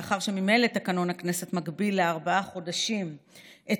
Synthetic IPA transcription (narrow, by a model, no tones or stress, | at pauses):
aχaʁʃe̞mimejlet̪akano̞nhakne̞se̞t̪maɡbilːeaʁbaaχo̞daʃimʔe